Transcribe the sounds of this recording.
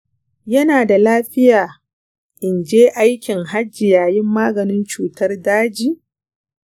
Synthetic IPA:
jɐ˦naː˨da˨laː˦ɸɪ˦jaː˨ | ʔʔɪ˨nd͡ʒeː˦ʔa˦jkʲɪ˨ŋɦa˦d͡ʒːɪ˨jaː˨jɪ˦mːaː˦ɡɐ˨nɪ˦nt͡ʃuː˨tɐ˦rdaː˦d͡ʒiː˦˨

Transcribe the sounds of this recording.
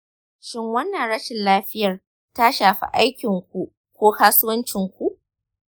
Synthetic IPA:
ʃɪ˦ŋwɐ˦nːɐ˨nɽɐ˦ʃɪ˨nlaː˦ɸɪ˦jɐ˨r | ta˦ʃaː˨ɸḭ˨ʔa˦jkʲɪ˨ŋkʷu˨ʔ | kʷoː˦haː˦sʊ˦wɐ˦nt͡ʃɪ˨ŋkʷu˨ʔ

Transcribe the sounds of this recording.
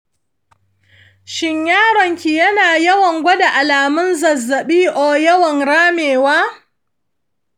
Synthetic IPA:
ʃɪ˦ɲjaː˦ɽɔ˨ŋkʲi˨jɐ˦naː˨jɐ˦wɐ˨ŋɡʷɐ˦da˨ʔa˨laː˨mʊ˦nzɐ˨zːɐ˨ɓiː˦ʔoː˨jɐ˦wɐ˨ŋɽaː˦meː˨waː˦

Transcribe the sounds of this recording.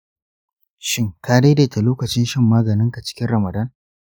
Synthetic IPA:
ʃɪ˦ŋkaː˦de˦de˨ta˨loː˦kɐ˨t͡ʃɪ˦nʃɪ˦mːaː˦ɡɐ˨nɪ˦ŋka˨t͡ʃɪ̥˦kʲɪ˦nɾɐ˨mɐ˨da˦n

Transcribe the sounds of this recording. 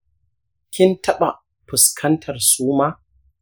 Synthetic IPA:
kʲɪ˦ntʰɐ˦ɓa˨ | ɸʊ˨skʰɐ˦ntʰɐ˨rsuː˦maː˦

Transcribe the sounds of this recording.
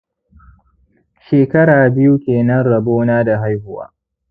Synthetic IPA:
ʃeː˨kɐ˦ɽaː˨bɪ˦ju˦kʲeː˨nɐ˦nɽɐ˨boː˦naː˦da˨ɦa˦jhʊ˦wa̰ː˦

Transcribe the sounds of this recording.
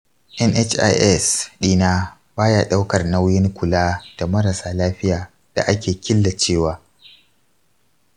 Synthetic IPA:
ʔɛ˦nʔɛ˦t͡ʃʔa̰˦jʔɛ˦sɗiː˦naː˦ | baː˦ja˦ɗa˦wkɐ˨rna˦wjɪ˦ŋkʷʊ˨laː˦d̥a˨mɐ˦ɾa˨saː˨laː˦ɸɪ˦jaː˨ | d̥a̰˨ʔa˦kʲeː˨kʲɪ˦lːa˨t͡ʃeː˦˨waː˦

